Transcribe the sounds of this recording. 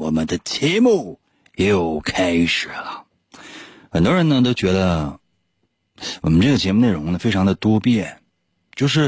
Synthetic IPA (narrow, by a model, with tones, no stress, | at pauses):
wɔ˨˩mə˦nd̪ə˨t͡ɕjɛ˧˥mu˥˩ | jɛ˧˥jo˨˩ʊkʰa˥ɪʂɻ̩˨˩lə˦ | xə˨˩nt̪wɔ˥ɻə˧˥nə˧t̪̬o˥ʊt͡ɕɥɛ˧˥d̪ə˧ | wɔ˨˩mə˦nʈ͡ʂɤ˥˩ɡə˩t͡ɕjɛ˧˥mu˧ne˥˩ɪɻʊ˧˥ŋnə˧fe˥ɪʈ͡ʂʰɑ˧˥ŋd̪ə˨t̪wɔ˥pjɛ˥˩ | t͡ɕjo˥˧ʊʂɻ̩˥˩